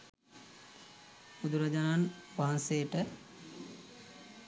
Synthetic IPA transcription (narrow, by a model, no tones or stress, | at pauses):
ud̪uɾɐd͡ʒananʋaɦansejəʈə